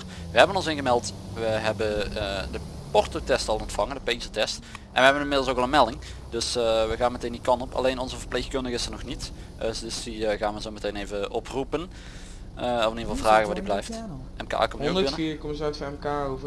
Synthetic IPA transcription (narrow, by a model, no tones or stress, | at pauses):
ʋəɦɛbənɔnsɪnɣəmɛlˠt | ʋəɦɛbənədə | pɔrtotɛstɑlˠɔntfɑŋəndəpezətɛst | ʔɛ̰nʋəɦɛbənɪnmɪdlˠsokɑlˠənmɛlˠdɪŋ | d̥ɵsʋəɣaːnmətejndikɑnɔpɑ̰lejnɔnzəvərplexkɵndəɣəɪsənɔxnit | əsdəsdiɣaːnʋənzoːmətejnejvəʔɔprupən | əɔfɪniəvɑlˠvraːɣənʋadiblɛjft | ɛmka̰ːkɔmnikɔməzœtfɑnɛmkaːov